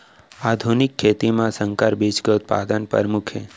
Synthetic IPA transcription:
ad̪ʱunikʰːet̪imãsəŋkaɾbid͡ʒɡət̪̚pa̰d̪ənpə̰ɾmukʰḛ

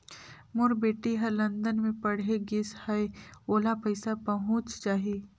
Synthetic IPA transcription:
mʊɾbeːʈiɦɐɾlɐ̃nd̪ənmẽpɐɽ̤eɡɪshɛeoːlapɐɪsapɐɦʊ̃t͡ʃt͡ʃaːɦiiː

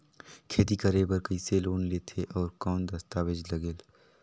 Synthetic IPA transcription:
kʰeːt̪ikəɾebəɾkəɪseloːnleːt̪ʰeʔɔːɾkɔːnd̪ɐst̪aːʋed͡ʒlɐɡeːl

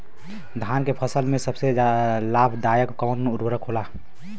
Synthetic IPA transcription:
d̪ʱaːnkepʰəsəlmẽsəbsed͡ʒlaːbʰʱd̪aːjəkkəənʊɾwəɾəkɦola

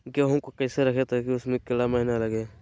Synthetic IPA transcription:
ɡaɦɐmkokɐːseɾɐkʰet̪ekiʊsmẽkɪlamɐɦinalɐɡeː

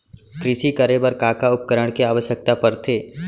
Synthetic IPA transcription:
kɾɪʃikəɾebɐɾkaːkaʊp̚kəɾəɽ̃kiaːʋəʃjək̚t̪apɐɾt̪ʰeː

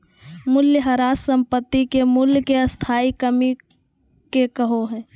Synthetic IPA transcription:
mʊljəɦɐɾaːsə̃mpət̪ːikemʊlkeɐst̪ʰaːikəmi | kekəɦoɦɛ̃ː

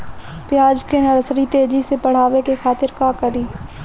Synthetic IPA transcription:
pɪjaːd͡ʒkenəɾəsɾit̪eːd͡ʒisepɐɽ̤aːʋekexaːt̪ɪɾkakəɾiː

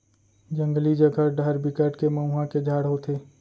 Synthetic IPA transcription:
d͡ʒə̃ŋɡlid͡ʒəɡʱəɖəɾbɪkəʈkeməũɦãked͡ʒʱaːɽ̤ɦot̪ʰeː

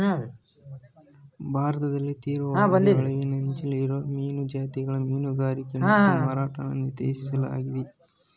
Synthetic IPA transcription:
bʱaːɾɐt̪ɐd̪ɐlːit̪iːɾʋaːabɐnd̪iɐɭɐʋinɐɲt͡ʃiliːɾomiːnud͡ʒaːt̪iɡɐɭɐmiːnuɡaːɾikːɐnɐmaːɾaːʈɐnɐnːit̪ḛːʃisɐla̰ːɡid̪i

